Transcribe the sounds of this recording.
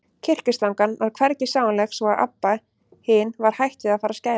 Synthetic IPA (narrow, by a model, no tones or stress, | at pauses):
cʰɪr̥cʏst̪lawŋkanvaɾ̥kʰvɛɾcɪsjaːwanlɛxsɔaðʔa̰pːa | hɪnvaɾ̥hajht̪ʏaðfaːɾasca